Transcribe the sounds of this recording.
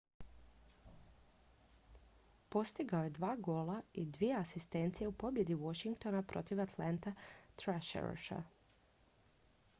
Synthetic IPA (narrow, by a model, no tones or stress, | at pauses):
po̞st̪iɡaojed̪ʋaːɡo̞ːlaid̪ʋijeasist̪e̞nt̪sijeupo̞bje̞d̪iʋo̞ʃiŋk̚t̪o̞napɾʔo̞t̪iʋat̪lant̪at̪ɾaʃḛɾo̰ʃa̰